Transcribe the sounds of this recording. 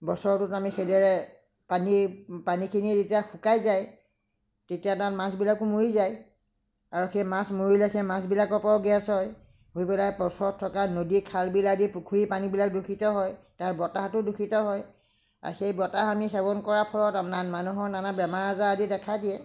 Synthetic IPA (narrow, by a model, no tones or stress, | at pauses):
bɔsɔɹtʊtamixedɔɹɛ | panipanikʰiniɛzetijaxʰukajzaj | tetijatatmãsbilakʊmuɹizaj | aɹuxemasmuɹilɛxʰɛmasbilakɔɹpaɹɔɡɛasɔj | ɦojpɛlajpɔsɔɔtʰːɔkanodikʰalbiladipukʰuɹipanibilak̚dukʰitɔɦɔj | taɹbɔtaɦtʊdukʰitɔɦɔj | a̰xejbɔtaɦamixɛɡɔnkɔɹapʰɔlɔtamnanmanuɦɔɹnanabɛmaɹazaadidɛkʰadiɛ